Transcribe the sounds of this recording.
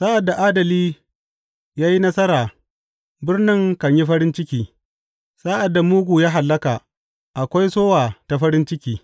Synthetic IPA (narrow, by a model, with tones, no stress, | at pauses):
saː˦ʔa˨dːa˨ʔaː˦dɐ˨liː˦ | jaː˦ji˦nɐ˦sɐ˦ɾaː˨ | bɪ˦rnɪ˦ŋkɐ˨ɲji˦ɸɐ˦ɾɪ˦nt͡ʃɪ˦kʲiː˦ | saː˦ʔa˨dːa˨muː˦ɡʷu˨jaː˦ɦa˨lːɐ˦kaː˨ | ʔa˨kʷa˦jsoː˦waː˨ta˨ɸɐ˦ɾɪ˦nt͡ʃɪ˦kʲiː˦